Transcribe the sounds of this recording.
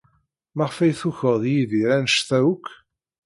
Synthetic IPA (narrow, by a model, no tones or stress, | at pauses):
mæʁfæjθuçəʁðjiðiɾænəʃθæukː